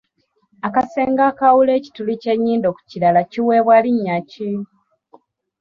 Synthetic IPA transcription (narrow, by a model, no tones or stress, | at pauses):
akase̞ːŋɡaːkawule̞ːci̥tulice̞ɲːiːndo̞ku̥cilalaciweːβwaliɲːaci